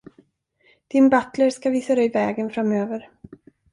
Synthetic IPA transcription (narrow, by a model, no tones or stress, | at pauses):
d̪̥ɪnbat̪ləɾskaviːsad̪ɛjvɛːɡənfɾamːøːvəɾ